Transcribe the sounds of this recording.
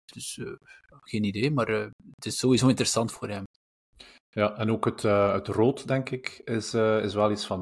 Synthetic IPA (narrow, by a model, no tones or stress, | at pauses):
d̥ʏsøaxeːnideːmaːrtɪsːoːwizoːɪntəɾəsɑntfoːrɦɛm | jaʔɛnoːkɦətəətrotdɛŋkɪkɪsɪsʋɛlˠitsfɑn